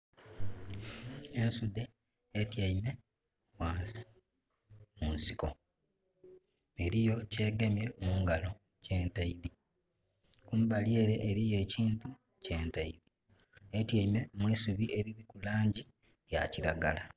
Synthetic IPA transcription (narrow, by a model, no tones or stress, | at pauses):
ensude | etjaime̞ | waːnsi̥ | munsiko̞ | eɾijo̞ce̞ːɡemjeomuːŋɡalo̞ | ce̞ːntaiɾi | kumubalje̞ːɾe̞ʔːɾije̞ːciːntu | ce̞ːntaiɾi | etjaime̞mwiːsuβiʔe̞ɾiβikulaːɲɟi | ja̰ciɾaɡala